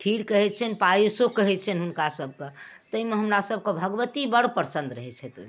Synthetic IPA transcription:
ʈʰiɾkəɦɛt̪̚t͡ʃʰɛnpaisokəɦɛt̪t͡ʃʰɛnɦunkasəb̚ʱket̪əimẽɦəmɾasəb̚kebʱəɡʋət̪ibəɽpəɾsə̃nd̪ɾəɦɛt͡ʃʰɛt̪o

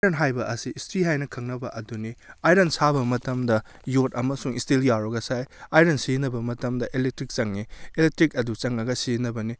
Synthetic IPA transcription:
ɾenɦajbɐʔɐsiːstɾiɦajnɐkʰɐŋnɐbɐʔɐduniajɾensabɐmɐtɐmdɐ | jotɐmɐsuŋistiljaɾɔɡɐsajajɾensinɐbɐmɐtɐmdɐʔelek̚tɾik̚t͡ʃɐŋnielek̚tɾik̚ɐdut͡ʃɐŋːɐɡɐsinɐbɐni

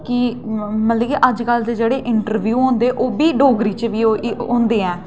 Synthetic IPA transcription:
kɪmət̪ləkiʔəd͡ʒkəlt̪ed͡ʒeːɽeːʔɪɳʈəɾʋjuːɦõːnd̪eːʔoːbiːɖoːɡɾiːt͡ʃʋiːõːnd̪eːɛ̃ː

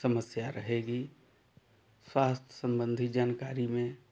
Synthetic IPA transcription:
səməsjaɾəɦeɡi | swaːst̪ʰjsə̃mbə̃nd̪ʱid͡ʒaːnkaːɾimẽ

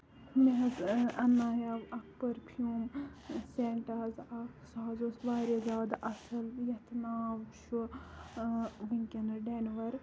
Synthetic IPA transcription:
meɦɐzɐnːaːjaʋɐk̚pɐɾpʰjuːmseɳʈɐːzɐksaːzoːsbaːɾɐzaːd̪ʔɐsɐljɐt̪ʰnaːʋʃu | ʋiŋkʲɐnɐɖenʋɐɾ

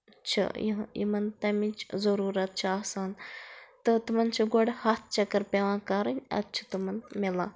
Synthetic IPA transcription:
t͡ʃʰɐ̰jjḭmɐnt̪ɐmint͡ʃʰzɐɾuːɾɐt̪̚t͡ʃʰiaːhsaːnt̪ɨt̪umɐnt͡ʃʰɨɡoɽhat̪̚ʰt͡ʃɐkːɐɾpʲeʋãːkɐɾɐnʲɐ̰t̪ːt͡ʃʰɨ̥t̪umɐnmilaː

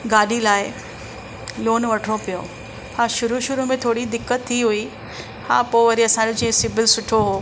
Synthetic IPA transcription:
ɡaːɗilaːɪ | loːnʋɐʈʰɽopijo | hãːʃʊɾuʃʊɾumẽt̪ʰoːɽid̪ɪkːət̪ʰːiɦui | hã̰ːpoɪʋɐɾiɐsãːd͡ʑod͡ʑĩːẽsɪbɪlsʊʈʰoɦoː

